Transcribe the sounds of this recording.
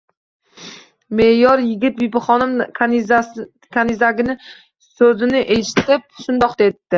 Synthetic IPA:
mejɒɾjɪɡʲɪt̪̚bipɪχɒnɪm | kʰanɪzaɡʲɪnɪ | sɵzɪnɪʔeʃɪ̥t̪ɪp̚ʃʊnd̪ɒqd̪et̪ːɪ

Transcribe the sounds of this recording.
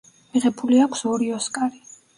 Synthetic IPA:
miʁɛbuliakʷʰsɔɾiɔskʼaɾi

